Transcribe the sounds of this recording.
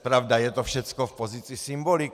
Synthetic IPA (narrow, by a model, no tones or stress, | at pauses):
pɾavd̪ajɛt̪ɔfʃɛt͡skɔfpozit͡sisimbolik